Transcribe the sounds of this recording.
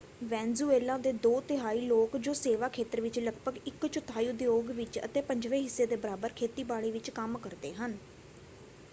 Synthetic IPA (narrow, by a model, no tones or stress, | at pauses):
ʋɛ̃ːnzuːeːlãːd̪eːd̪oːt̪ɪɦaːiːloːkd͡ʒoːseːʋaːkʰeːt̪əɾʋɪt͡ʃləɡbəɡɪkt͡ʃʊt̪ʰaːid̪ɪjoːɡʋɪt͡ʃə̰t̪eːpəɲd͡ʒʋẽːɦɪsːeːd̪eːbəɾaːbəɾkʰeːt̪iːbaːɭiːʋɪt͡ʃkəmkəɾd̪eːɦən